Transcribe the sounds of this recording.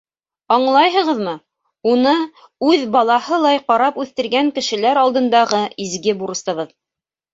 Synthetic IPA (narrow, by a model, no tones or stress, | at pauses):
ɑɴlˠɑjɦɤ̆ʁɤ̆ðmɤ | unɤ | ʉðbɑlˠɑhɤlˠɑjqɑɾɑpʉθt̪ɘ̆ɾɡæŋkɘ̆ʃɘ̆læɾɑlˠd̪ɤ̆nd̪ɑʁɤizɡɘbuɾɤ̆st̪ɤ̆βɤð